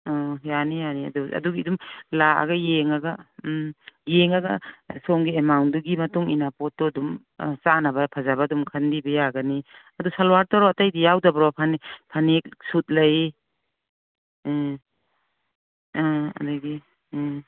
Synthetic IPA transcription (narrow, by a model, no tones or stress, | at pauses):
ɔjanijaniɐ̰duɐ̰duɡidumlaa̰ɡɐjeŋaɡɐ | jeŋaɡa̰sɔŋɡiemawnduɡimɐtuŋinapɔt̚ːɔdum̰ | sanabɐpʰazabadumkʰandibɐjaɡaniɐdusalwaɾtɔɾɔatajdijawdabɾɔpʰanipʰanek̚sut̚lɐj | ɐ̰daɡi